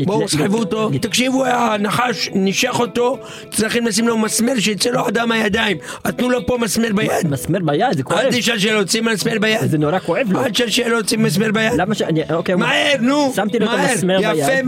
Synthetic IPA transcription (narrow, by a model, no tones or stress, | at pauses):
bosħevut̪ot̪akʃivuanaħaʃniʃeχo̞t̪o̞ | t̪zaχinlas̬imlomasmeʁʃ̬eit͡seload̪amhajad̪aimat̪nulopo̞masmeʁbajad̪masmeɾbajad̪zekad̪iʃalʃ̬elot͡simasmeʁbajazenoɾakoevlad̪ʃalʃelosimas̬meʁbajadlamaʃaiokemaeɾnusamt̪ilomataeɾmeɾjafe